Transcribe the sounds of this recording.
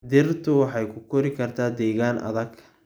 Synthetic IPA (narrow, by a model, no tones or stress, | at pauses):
d̪ɪrt̪ʰʊwɑħɑjkʰʊkʰɔɾɪkʰɐrt̪ʰaːd̪ɛːɣaːnʔɐ̰ðɐɡ